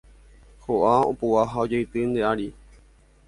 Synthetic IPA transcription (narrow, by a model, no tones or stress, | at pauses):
hoʔao̰puaɦaod͡ʒejt̪ɨnd̪eʔaɾi